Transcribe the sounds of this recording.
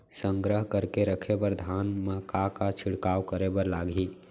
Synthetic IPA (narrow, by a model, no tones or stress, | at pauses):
sə̃ŋɡɾəɦkəɾkeɾəkʰebəɾd̪ʱaːnməkakat͡ʃʰɪɽkaːwkəɾebəɾlaːɡʱi